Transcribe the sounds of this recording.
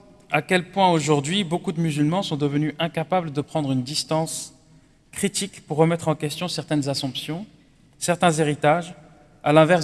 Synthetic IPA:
akʲɛlpwɛ̃oʒuʁd̪ɥibokud̪əmyzylmɑ̃sɔ̃d̪əvənyʔɛ̃kapabləd̪əpχɑ̃d̪ʁynd̪ist̪ɑ̃s | kχit̪ikpuʁːəmɛt̪χɑ̃kʲɛst̪jɔ̃sɛʁt̪ɛnzasɔ̃psjɔ̃ | sɛʁt̪ɛ̃zeʁit̪aʒ | alɛ̃vɛ

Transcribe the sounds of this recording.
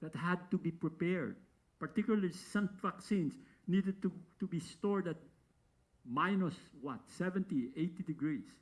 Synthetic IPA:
ð̥at̪̚had̪̚t̪ubipɹipɛɹd̪̚ | paɹt̪ikjʊlalisʌ̃mvaksĩns | nid̪ɛd̪̚t̪ut̪ubist̪ɔɹd̪at̪̚ | majnɔswʌt̪sɛvɛ̃nt̪iet̪id̪ɪɡɹis

